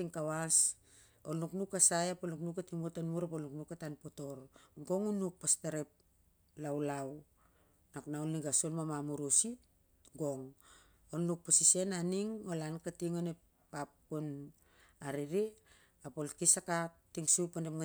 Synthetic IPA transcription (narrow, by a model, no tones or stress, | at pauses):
tiŋkawas | oluknukasajapolnuknukatiŋbutanmuɾapolnuknukatanpoto̞ɾɡo̞ŋunuk̚pastaɾep̚ | lawlaw | naknaolniɡasolmamamuɾosit | ɡo̞ŋ | olːuk̚pasise̞naniŋolankatiŋone | pːap̚kun | aɾiɾi | apolkisakak̚tiŋsupandemŋa